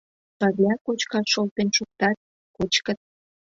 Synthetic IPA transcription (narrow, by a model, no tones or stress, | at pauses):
pɑβlʲɑkot͡ɕkɑʃolt̪enʃuk̚t̪ɑt̪̚ | kot͡ɕkət̪̚